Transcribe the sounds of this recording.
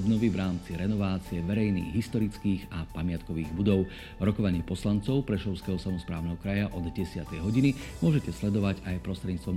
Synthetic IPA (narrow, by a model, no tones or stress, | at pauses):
bnɔʋiʋɾaːmt͡siɾɛnɔʋaːt͡siɛʋɛɾɛjnḭːɣɦist̪ɔɾit͡skiːɣapamɪat̪kɔʋiːɣbud̪ɔʊ | ɾɔkɔʋaɲɪɛpɔslant͡sɔʊpɾɛʃɔʊskɛɦɔsamɔspɾaːʊnɛɦɔkɾajaʔɔd̪ɟɛsɪat̪ɛjɦɔɟinimʊɔʒɛcɛslɛd̪ɔʋaɟajpɾɔst̪ɾɛd̪ɲiːt͡st̪ʋɔm